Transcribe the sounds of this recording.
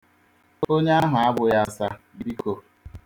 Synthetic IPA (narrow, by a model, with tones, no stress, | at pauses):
o˦ɲe˦a˦ɦʊ˨a˦bʊ˨ja˦˨sa˦bi˦kʰo˨